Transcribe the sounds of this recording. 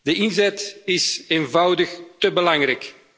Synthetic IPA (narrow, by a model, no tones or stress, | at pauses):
d̥əɪnzɛtɪseːnvɑwdəxtəbəlɑŋrɛjk